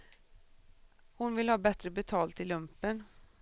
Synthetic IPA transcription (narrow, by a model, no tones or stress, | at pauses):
hʊnvɪlhɑːbɛt̪ɾəbɛt̪ʰɑːlt̪ɪlːɵmpən